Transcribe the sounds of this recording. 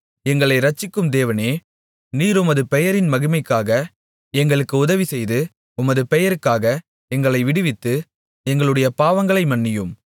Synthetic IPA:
ɛŋɡɐɭɐɪɾɐt͡ʃːɪkːɯmd̪eːʋɐneː | niːɾʊmɐðɯpɛjɐɾɪnmɐɣɯmɐɪkːaːɣɐ | ɛŋɡɐɭɯkːɯʊðɐʋisɛjðɯ | ʊmɐðɯpɛjɐɾɯkːaːɣɐ | ɛŋɡɐɭɐɪʋɪɽɯʋɪt̪ːɯ | ɛŋɡɐɭɯɽɐjɐpaːʋɐŋɡɐɭɐɪmɐnːɪjɯm

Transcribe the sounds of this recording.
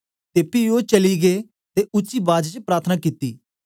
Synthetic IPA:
t̪eːpioːt͡ʃəliɡeː | t̪eʔʊt͡ʃːʃiːbaːd͡ʒt͡ʃpɾaːt̪ʰənaːkit̪ːḭː

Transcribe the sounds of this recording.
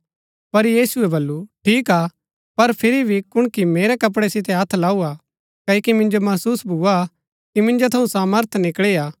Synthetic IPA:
pɐɾjiːsuɛbɐlːuʈʰiːka | pɐɾpʰɪɾibʱikʊɽ̃kimeːɾɛkɐp̬ɽɛsɪt̪ɛɦɐt̪ʰlaːua | kɐːkimɪ̃nd͡ʒomɐsuːsbʱua | kimɪ̃nd͡ʒot̪ʰɐũsaːməɾt̪ʰnɪkɭeːaː

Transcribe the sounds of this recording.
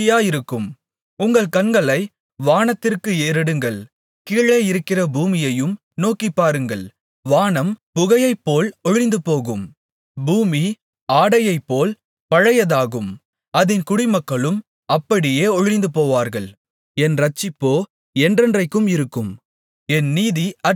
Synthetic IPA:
ɪjaːjɪɾɯkːɯm | ʊŋɡɐɭkɐnɡɐɭɐɪ | ʋaːnɐt̪ːɪrkɯeːɾɐɽɯŋɡɐɭ | kiːɭeːɪɾɯkːɪrɐbuːmɪjɐjɯm | noːkipːaːɾɯŋɡɐɭ | ʋaːnɐmpʊɣɐjɐɪpːoːlɔɻɪnd̪ɯpoːɣɯm | buːmi | aːɽɐjɐɪpːoːl | pɐɻɐjɐðaːɣɯm | ɐðɪnkʊɽɪmɐkːɐɭɯm | ɐpːɐɽɪjeːɔɻɪnd̪ɯpoːʋaːɾɣɐɭ | ɛnɾɐt͡ʃːɪpːoː | ɛndrɛndrɐɪkːɯmɪɾɯkːɯm | ɛnniːðiɐ

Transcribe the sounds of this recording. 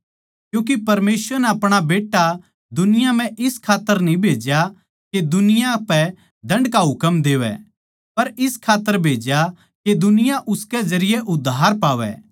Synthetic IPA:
kjũːk̬ipɐɾmeːsʋəɾnɛɐpɽ̃abeːʈːa | d̪ʊnɪjam̤ɛ̃ʔɪskʰaːt̪ːəɾnĩbʱeːd͡ʒja | ked̪ʊnɪjapɛ | d̪ɐ̃ɳɖkaɦʊkəmd̪eːʋɛ̰ | pɐɾɪskʰaːt̪ːəɾbʱeːd͡ʒja | ked̪ʊnɪjaʔʊskɛzɐɾɪjeʔʊd̪ʱaːɾpaːʋɛ̰ː

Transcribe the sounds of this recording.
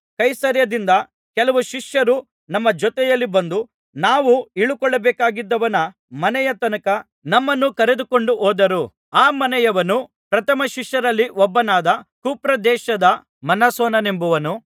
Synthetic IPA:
kɐjsɐːɾjɐd̪ind̪ɐ | kɛlɐʋuʃiʃjɐɾu | nɐmːɐd͡ʒɔt̪ɛjɐlːibɐnd̪u | naːʋuiɭukɔɭːɐbɛːkaːɡid̪ːɐʋɐnɐ | mɐnɛjɐt̪ɐnɐkɐ | nɐmːɐnːukɐɾed̪uko̞ɳɖuɦoːd̪ɐɾu | aːmɐnɛjɐʋɐnu | pɾɐt̪ʰɐmɐʃiʃjɐɾɐlːiʔɔbːɐnaːd̪ɐkuːpɾɐd̪ɛːʃɐd̪ɐ | mɐnɐsoːnɐnembuʋɐnu

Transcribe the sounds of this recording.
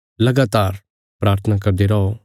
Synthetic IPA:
lɐɡaːt̪aːɾ | pɾaːɾt̪ʰənakɐɾd̪eɾɐo

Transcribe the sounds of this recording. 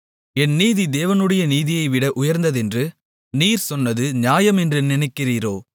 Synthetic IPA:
ɛnniːðid̪eːʋɐnɯɽɐjɐniːðɪjɐɪʋɪɽɐʔʊjɐɾnd̪ɐðɛndrɯ | niːɾsɔnːɐðɯɲaːjɐmɛndrɯnɪnɐɪkːɪriːɾoː

